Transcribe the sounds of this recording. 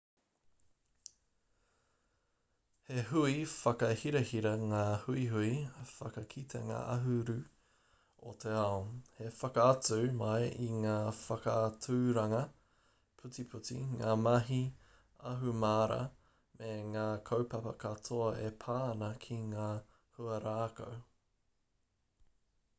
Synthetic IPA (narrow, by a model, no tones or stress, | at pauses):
heɦuifɐkɐhiɾɐhiɾɐŋaːhuiɦuifɐkɐkʰit̪ʰḛŋa̰ːʔɐɦuɾʉ | o̰tʰeaohefɐkɐɐt͡sʉmɐjiŋaːfɐkɐtuːɾɐŋɐ | pʰʉt͡sipʰutḭŋaːmɐɦi | ɐɦumaːɾɐ̰ | meŋaːkʰowpɐpɐkʰɐtʰoɐepʰaːnɐkʰiŋaː | huɐɾaːko̰w